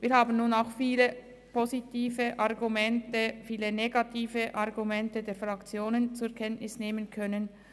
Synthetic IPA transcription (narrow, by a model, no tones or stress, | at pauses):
viːɐhaːbn̩nuːnaʊxfiːlə | pʰozitiːvəʔɑʁɡumɛntəfiːləneɡɑtʰiːvəʔɑʁɡumɛntədeːɐfʁɑkt͡sjoːnənt͡suɛkʰɛntnɪsneːmənkʰœnən